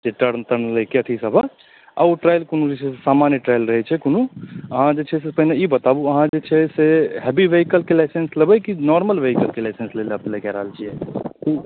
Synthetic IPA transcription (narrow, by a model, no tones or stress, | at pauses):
d͡ʒeʈəɾnt̪əɾnləkeəʈʰisəbʱə | a̰uʈɾaːjilkonũd͡ʒet͡ʃʰɛsesaːmanəʈɾajlɾəɦɛt͡ʃʰɛkonuəɦãd͡ʒet͡ʃʰɛsepəɦinejibət̪abuəɦãd͡ʒet͡ʃʰɛseɦɛbiʋeɦikəlkelaɪsensləbəkinɔɾməlʋeɦikəlkelaɪsənsleləplekɛɾəɦəlt͡ʃʰiɛku